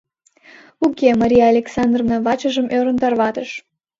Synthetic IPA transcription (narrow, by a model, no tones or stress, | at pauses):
ukʲemɑɾʲijaːlʲeksɑnd̪rovnɑβɑt͡ɕəʒəmʔøɾə̆nt̪ɑrβɑt̪əʃ